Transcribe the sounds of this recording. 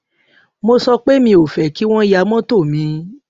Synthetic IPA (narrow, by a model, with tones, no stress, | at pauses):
mo˧sɔ˧k͡pe˦mĩ˧o˨fɛ˨ki˦w̃ɔ̃˦ja˧mɔ̃˦to˦˨mĩ˨˧˦